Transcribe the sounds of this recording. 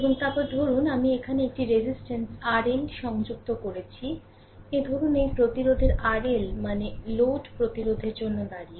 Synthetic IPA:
eboŋt̪apoɾd̪ʱoɾunamiekʰaneek̚ʈiɾezisʈensaɾeɳʈʃɔŋd͡ʑuk̚t̪okoɾet͡ɕʰi | ed̪ʱɔɾunejpɾot̪iɾod̪ʱeɾaɾelmaneloʈpɾot̪iɾod̪ʱeɾd͡ʑonːod̪aɽie

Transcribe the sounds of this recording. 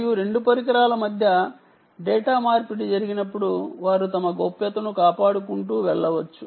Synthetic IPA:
juɾe̞ɳɖupɐɾik̬ɐɾaːlɐmɐd̪ʱjɐ | ɖɛːʈaːmaːɾpiɽid͡ʒɐɾiɡinɐpːuɽuʋaːɾut̪ɐmɐɡopːjɐt̪ɐnukaːpaːɽukuɳʈuːʋɛɭːɐʋɐt͡ʃːu

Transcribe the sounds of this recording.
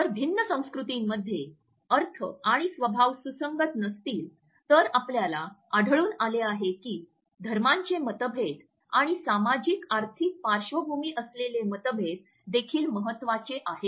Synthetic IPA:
t̪əɾbʱinːəsə̃w̃skɾut̪imːəd̪ʱːje | əɾt̪ʰə̰aɽ̃isʋəbʱaʋsusəŋɡət̪nəst̪iːl | t̪əɾapljalaaɽʱəɭuːnaleaɦekiː | d̪ʱəɾmaɲt͡ɕemət̪əbʱet̪ | aɽ̃isamad͡ʑikaɾt̪ʰik̚paɾʂʋəbʱumiːʔəslelemət̪əbʱet̪̚ | d̪ekʰiːlməɦət̪ːʋat͡ɕeʔaɦe

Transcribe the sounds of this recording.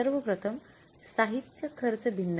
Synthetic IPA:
əɾʋəpɾət̪ʰəm | saɦit̪jəkʰəɾt͡səbʱinː

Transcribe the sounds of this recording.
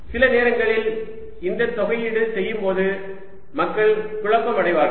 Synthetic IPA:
sɪlɐneːɾɐŋɡɐɭɪl | ɪnd̪ɐt̪ːɔɣɐjɪɽɯsɛjːɯmpoːðɯ | mɐkːɐɭkʊɻɐkːɐmɐɽɐɪʋaːɾɣɐ

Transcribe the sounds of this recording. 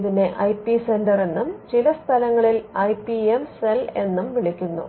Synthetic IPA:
ðine̞ʔɐjpise̞ndɐre̞nːumt͡ɕilɐst̪ʰɐlɐŋːɐɭilɐjpiemse̞le̞nːumʋiɭikʲːunːṵ

